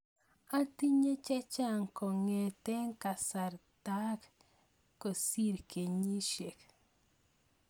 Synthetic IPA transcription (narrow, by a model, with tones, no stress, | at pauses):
a˦ti˦ɲe˦t͡ʃɛ˦t͡ʃa˦˨ŋkɔ˨ŋe˨te˦ŋ˦ka˨sa˨ɾta˦k | ko˨si˦˨ɾkʰe˨ɲi˦ʃe˨k